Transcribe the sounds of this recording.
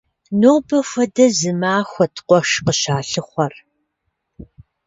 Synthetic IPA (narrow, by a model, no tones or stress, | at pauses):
noːbɐfʷɐdɐzɨmaːxʷɐtʰqʷɔʂqəɕaːɬɨχʷɐr